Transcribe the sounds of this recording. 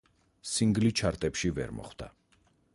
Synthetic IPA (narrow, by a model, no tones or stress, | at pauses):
siŋɡlit͡ʃʰaɾt̪ʼɛpʃivɛ̰ɾmɔ̰χwd̪̥a̰